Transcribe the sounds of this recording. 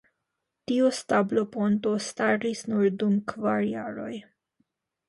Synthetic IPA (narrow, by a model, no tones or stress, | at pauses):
tiostablo̞po̞nto̞staɾisnuɾdumkvaɾja̰ɾo̞̰j